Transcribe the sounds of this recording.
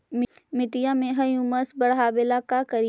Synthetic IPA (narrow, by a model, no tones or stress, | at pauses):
m | mɪʈijamẽɦɐjũmɐsbɐɽɦaːbɪlakakɐɾ